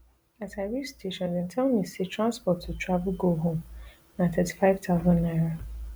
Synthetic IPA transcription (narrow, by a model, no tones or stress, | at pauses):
atʰaɪɹid͡ʒstʰeʃɔ̃ndɛ̃ntʰɛlˠmisetʰɹãnspɔtʰːutʰɹ̥avl̩ɡoɦõm | nãtʰɛti̥faɪv̥tʰaʊzə̃nːaɪɹo